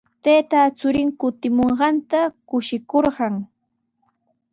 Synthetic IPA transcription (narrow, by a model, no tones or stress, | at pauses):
t̪eːt̪at͡sʊɾɪŋkʊt̪ɪmoɴɢɑnt̪akʊʃɪkoɾɢɑŋ